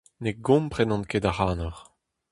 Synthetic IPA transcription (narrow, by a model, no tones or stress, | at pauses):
neɡɔ̃mpχenɑ̃nkedaχaːnɔʁ